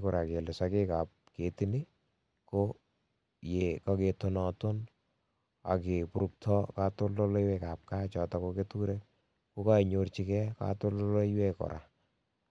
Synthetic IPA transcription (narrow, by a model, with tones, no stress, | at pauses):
ko˨ɾa˨ke˨lɪ˨sake˦ka˨p̚ke˨ti˦ni˦ | ko | je˨ka˦ke˨tonɔ˨to˦n | a̰˨ke˨pu˨ɾu˨k̚tʰɔ˦ka˦to˦lːo˦lo˦jwe˦ka˨p̚ka˦t͡ʃɔ˨tɔ˨ko˦ketu˦ɾe˦ | ko˦ka˦i˨ɲo˧rt͡ʃi˦kɛ˦ka̰˦to˦lo˦lo˦iwekɔ̰˨ɾʔa̰˨